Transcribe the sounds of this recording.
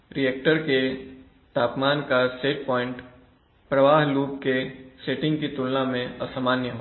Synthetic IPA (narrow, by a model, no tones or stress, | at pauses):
ɾijɛːk̚ʈəɾke | t̪aːpmaːnkaseːʈ̚pɔːɪ̃ɳʈ | pɾɐʋaːɦluːpkeseːʈɪ̃ŋɡ̚kit̪ʊlnamẽɐsamaːnjəɦo